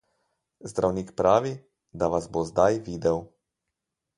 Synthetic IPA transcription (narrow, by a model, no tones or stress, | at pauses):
zd̪ɾʔawniːkpɾaːʋi | d̪aʋazbozd̪ajʋiːd̪ɛw